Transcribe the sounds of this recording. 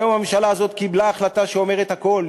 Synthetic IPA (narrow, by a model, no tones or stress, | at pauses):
omhamemʃalaːzo̞t̪kiblaːχlat̪aʃeo̞me̞ʁet̪hako̞l